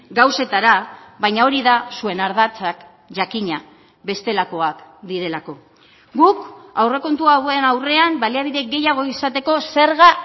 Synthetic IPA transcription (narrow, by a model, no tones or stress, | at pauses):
ɡawse̞t̪aɾaβajɲao̞ɾiðasue̞naɾð̞at͡sak | ʝakiɲa | βe̞st̪e̞lako̞akd̪iɾe̞lako̞ | ɡukawre̞ko̞nt̪uaɣoenawre̞ambaliaβ̞iðe̞ɡe̞jaɣ̞o̞isat̪e̞ko̞se̞ɾɣa